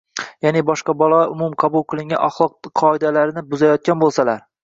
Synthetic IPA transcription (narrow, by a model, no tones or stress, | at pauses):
janɪbɒʃqɑbɒlˠɒʊmʊmqʰɑbʊlˠqʰɨlˠɪŋʲaʔɒχlˠɒq̚qʰɒɪd̪alaɾɪnɪbʊzajɒt̪̚kʲanbolˠsalaɾ